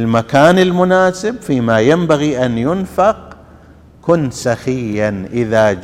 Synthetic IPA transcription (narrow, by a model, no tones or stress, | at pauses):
lmakaːnɪlmʊnaːsɪbfiːmajambaɣiʔanjʊnfaq | kʊnt̪saxɪjːanʔɪðad͡ʒ